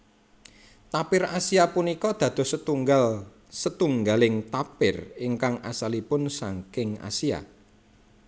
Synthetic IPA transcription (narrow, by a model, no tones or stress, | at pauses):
t̪apɪrasiapunikɔd̪̥ä̤d̪̥ɔ̤sət̪uŋɡal | sət̪uŋɡalɪŋt̪apɪriŋkaŋʔa̰salipʊnsa̰ŋkɪŋa̰sia̰